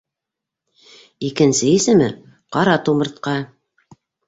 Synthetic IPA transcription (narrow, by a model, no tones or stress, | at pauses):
ikɘ̆nsɘisɘ̆mɘ | qɑɾɑt̪umɤ̆ɾt̪̚qɑ